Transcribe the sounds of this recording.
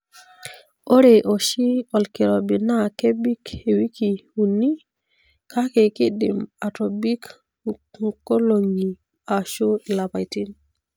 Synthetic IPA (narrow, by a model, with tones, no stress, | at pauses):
o˦ɾe˨ʔo˨ʃi˦ɔ˨lki˨ɾo˨bi˨na˦ke˦bi˦ke˨wi˦ki˨u˨ni˦ | kʰa˦ke˨ki˦dḭ˨ma˨to˨bi˦k | ŋko˦lo˨ŋi˨ | a˨ʃu˦la˨pa˨jti˦n